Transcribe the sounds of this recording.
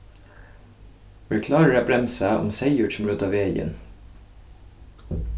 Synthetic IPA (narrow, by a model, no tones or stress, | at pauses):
ʋəkʰlɑːɹəɹæbɾɛmsæːʔɔ̰mseɪjʉʈsm̩ɾʉːt̪ɑʋeːjə̰n